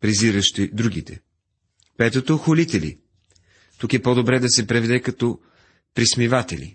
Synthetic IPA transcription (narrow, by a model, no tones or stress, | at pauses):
pɾɛziɾəʃt̪id̪ɾuɡit̪ɛ̰ | pɛt̪ot̪oxolit̪ɛlḭ | t̪ukɛpɔd̪obɾɛd̪ɐsɛpɾɛvɛd̪ɛkɐt̪ɔ | pɾismivat̪ɛlḭ